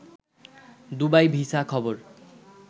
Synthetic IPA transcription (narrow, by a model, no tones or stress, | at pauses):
d̪ubajbʱisakʰɔboɾ